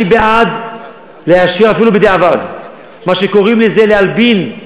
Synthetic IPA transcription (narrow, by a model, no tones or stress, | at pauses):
ibead̪ | leaʃiʁafilubed̪eavad̪ | maʃeko̞ʁimlezelealbin